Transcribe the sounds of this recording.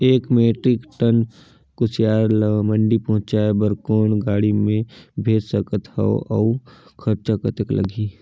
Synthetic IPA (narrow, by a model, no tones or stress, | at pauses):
eːkmeːʈɾɪkʈən | kʊsjaːɾlməɳɖipɐɦʊ̃t͡ʃaebəɾkoːnɡaːɽimẽbʱeːd͡ʒsəkət̪hɛ̰oʔɔ̰ːkʰəɾt͡ʃakət̪əklə̰ɡi